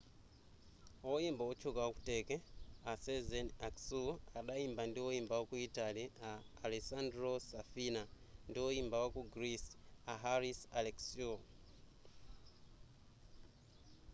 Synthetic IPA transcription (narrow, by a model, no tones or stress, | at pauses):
wɔjimbawɔt͡ʃʰukawaku̥tɛkɛasɛzɛnaksuaɗajimbandiwɔimbawakuitaliaːlesandɾosafina | ndiwɔjimbawakuɡɾisaɦaɾisalɛksu